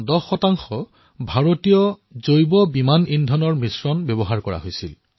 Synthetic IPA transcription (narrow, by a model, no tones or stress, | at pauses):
dɔxːɔtaŋxɔ | bʱaɹotijɔ | zojbɔbimanindʱɔnɔɹmisɹɔnbɔbɔɦaɹkɔɹa̰ɦojsil